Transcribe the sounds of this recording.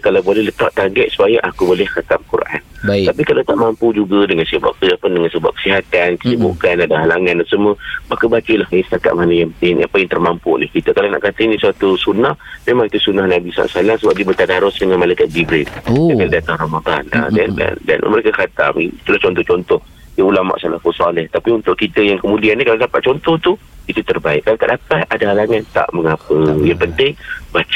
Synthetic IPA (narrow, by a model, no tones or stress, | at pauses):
kalawbolɛɦlət̪aʔ̚t̪aɡɛʔ̪̚su̥pajaʔakubolɛhkat̪amkṵɾʔa̰napikalawt̪aʔmampud͡ʒuɡadəŋansəba̰ʔkəapəndəŋansəba̰ʔ̚kə̥siɦat̪ankə̥sibṵkanadaɦalaŋandasəməmakəbakəlahəsə̥t̪aka̰t̪̚manəjaŋaŋapajaŋt̪ərmampunɪhkit̪akalana̰ʔkat̪əinisuat̪usunahmemaŋit̪usunahnabisa̰ʔa̰ʔsalamsəbap̚diəbət̪adaɾʊsdəŋanmalajkat̪̚d͡ʒibɾɪldakaladat̪arɔmad̪ˤa̰na̰danda̰nda̰nməɾekəkat̪a̰mḭit̪ulaht͡ʃɔnt̪ɔht͡ʃɔnt̪ɔh | dəulama̰ʔsalafusalɪht̪apiunt̪ʊʔkit̪əjaŋkəmudianːikaladapat̪̚t͡ʃɔnt̪ɔht̪uit̪ut̪ərbaɪʔkːalaka̰ʔdapaadaalaŋant̪a̰ʔməŋapəjaŋpənt̪ɪŋbat͡ʃ